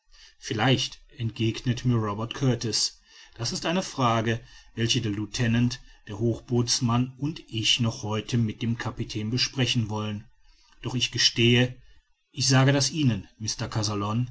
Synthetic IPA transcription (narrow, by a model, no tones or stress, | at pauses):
fɪlaɪçtʔɛntɡ̥eːɡnətmiːɐʁɔbɛɐtkʰœɐtɔs | d̥asɪstʔaɪnəfʁ̥aːɡəvɛlçədeːɐlutʰɛnantd̥eːɐɦoːxb̥oːt͡smanʊntʔɪçnɔχhɔʏtʰəmɪt̚d̥eːmkʰapitʰɛːnbəʃpʁ̥ɛçn̩vɔlən | d̥ɔχɪçɡ̥əʃteːə | ʔɪçz̥aːɡədasʔiːnənmɪstɐkʰazalɔn